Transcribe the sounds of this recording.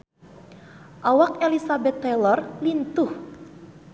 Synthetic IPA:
ʔawakelisabɛt̪ːɛlɔrlint̪ʊh

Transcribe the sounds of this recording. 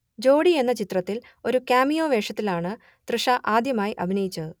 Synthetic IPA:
d͡ʑo̞ːɽie̞nːɐt͡ɕit̪rɐt̪ːil | o̞ɾukʲaːmijo̞ːʋe̞ːʂɐt̪ːilaːɳɨ | t̪rɨʂɐʔaːd̪jɐmaːjiʔɐbʱinɐjit͡ɕːɐðɨ

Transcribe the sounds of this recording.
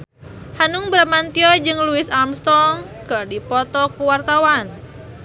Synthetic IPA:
hanuŋbɾamant̪iɔd͡ʒɨŋluɪsalmst̪ɔŋkɨrdipɔt̪ɔkuwart̪awan

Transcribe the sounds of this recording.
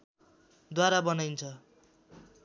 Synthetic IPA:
d̪waɾabʌnʌjnt͡sʰʌ

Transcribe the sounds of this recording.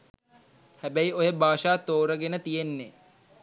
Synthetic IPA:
hæbæiojəbaːʃaːt̪oːɾəɡenət̪ijenːe

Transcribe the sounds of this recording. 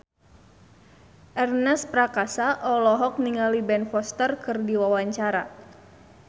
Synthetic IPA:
ʔɛrnɛspɾakasaʔɔlɔɦɔk̚niŋalibɛnfɔst̪ərkɨrdiwawaɲt͡ʃaɾa

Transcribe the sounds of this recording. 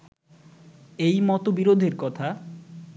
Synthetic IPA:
ejmɔt̪obiɾod̪ʱeɾkɔt̪ʰa

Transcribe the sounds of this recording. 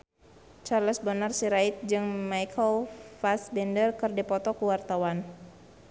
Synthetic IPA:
t͡ʃarləsbənarsiɾait̪̚d͡ʒɨŋmajkʰɔlfasdɛndərkərdipɔt̪ɔkuwart̪awan

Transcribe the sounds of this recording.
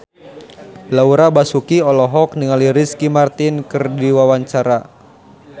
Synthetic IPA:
lauɾabasukiɔlɔɦɔk̚niŋaliɾiskimart̪inkɨrdiwawaɲt͡ʃaɾa

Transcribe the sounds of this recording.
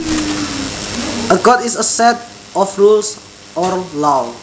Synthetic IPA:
əɡɔtisəsɛt̚ | ɔfɹuls | ʔɔrlaw

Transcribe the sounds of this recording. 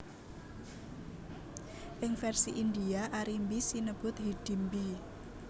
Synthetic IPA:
ʔɪŋfɛrsiʔind̪iaʔaɾimbisinəb̥ʊt̪ɦiɖ̥i̤mbi

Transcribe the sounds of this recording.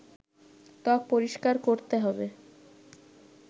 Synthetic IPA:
t̪ɔk̚poɾiʃkaɾkoɾt̪eɦɔbe

